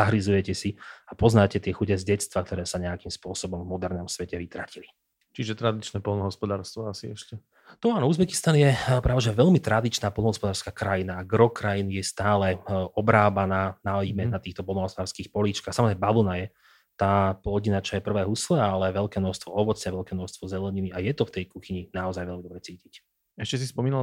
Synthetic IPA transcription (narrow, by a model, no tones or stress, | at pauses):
zaɦɾizujɛcɛsiapɔznaːcɛt̪ɪɛxuɟɛzɟɛt͡st̪ʋak̚t̪ɔɾɛːsaɲɛakimspʊɔsɔbɔmvmɔd̪ɛɾnɔmsʋɛcɛʋit̪ɾacili | t͡ʃiʒɛt̪ɾad̪it͡ʃnɛːpɔlˠnɔɦɔspɔd̪aːɾst̪ʋɔasiɛʃcɛ | t̪ɔanɔuzbɛki̥st̪anjɛpɾaʋɛʒɛʋɛʎmit̪ɾad̪it͡ʃnaːpɔlnɔɦɔspɔd̪aːɾskaːkɾajinaːɡɾɔkɾajinjɛst̪aːlɛɔbɾaːbanaːnaɔimɛnat̪iːxt̪ɔpɔlnɔɦɔspɔd̪aːɾskiːxpɔliːt͡ʃkaːxsamɔzɾɛbabɔnajɛ | t̪aːplɔɟinat͡ʃajɛpr̩ʋɛːɦuslɛalɛʋɛlkɛːmnɔʃst̪ʋɔɔʋɔt͡sɲɛʋɛlkɛːnɔʃst̪ʋɔzɛlɛɲiniajɛt̪ɔft̪ɛjkuxiɲinaɔzajʋɛlmid̪ɔbɾɛt͡siːcic | ɛʃcɛsispɔmiːna